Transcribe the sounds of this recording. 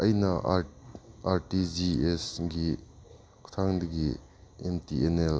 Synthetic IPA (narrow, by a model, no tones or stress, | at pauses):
ɐjnɐ | aɾʈid͡ʒiesɡi | kʰu̥t̪ʰaŋd̪ɐɡi | emtienel